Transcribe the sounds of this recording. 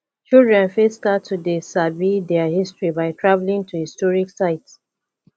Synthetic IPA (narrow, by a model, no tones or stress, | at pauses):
t͡ʃildɹɛ̃nfestatʰudesabidɛahistɹibaɪtʰɹavlĩŋtʰuhistɔɹiksaɪt